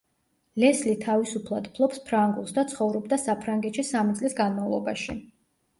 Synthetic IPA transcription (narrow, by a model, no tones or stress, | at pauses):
lɛslit̪ʰavisupʰlˠad̪pʰlˠɔpspʰɾaŋɡulˠsd̪at̪sʰχɔvɾɔb̚d̪asapʰɾaŋɡɛt̪ʃisamit̪sʼlisɡanmavlˠɔba̰ʃi